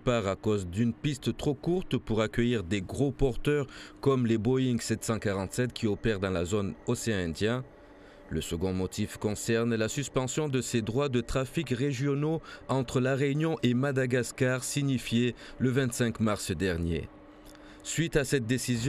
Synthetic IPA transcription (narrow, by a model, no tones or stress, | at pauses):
paʁakɔzd̪ynpist̪t̪χokuʁt̪puʁakʲəjiʁd̪eɡʁopɔʁt̪œʁkɔmlebɔĩŋɡsɛt̪sɑ̃kaʁɑ̃t̪sɛt̪kʰʲiɔpɛʁd̪ɑ̃lazonɔseɛ̃ɛ̃d̪jɛ̃ | ləsəɡɔ̃mɔt̪ifkɔ̃sɛʁnlasyspɑ̃sjɔ̃d̪əsed̪ʁwad̪ət̪χafikʁeʒjɔnoɑ̃t̪χəlaʁeynjɔ̃ʔemad̪aɡaskaʁsiɲifjeləvɛ̃t̪sɛ̃kmaʁsd̪ɛʁnjḛ | sɥit̪asɛt̪̚d̪esizj